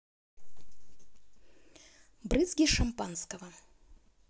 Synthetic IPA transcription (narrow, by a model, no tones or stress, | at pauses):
bɾɨzɡʲiʂɐmpanskɐvɐ